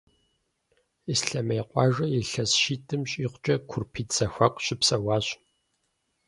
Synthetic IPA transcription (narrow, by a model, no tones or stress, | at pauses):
isɬɐmeːqʷʼɑːʒɐjɛɬɐsʃiːtʰʼɨmɕʼiːqʷt͡ʃʼɐkʷʰʊrpʰiːtz̥ɐxʷɐqʷʼɕɪpsɐwɑːɕʼ